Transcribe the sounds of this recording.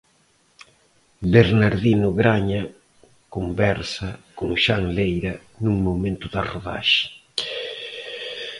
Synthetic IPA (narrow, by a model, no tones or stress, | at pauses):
beɾnaɾðinʊɣɾaɲɐ | kombɛɾsɐkoŋʃaŋlejɾɐ | nuŋmomẽnt̪ʊðɐroða̰ʃɪ̥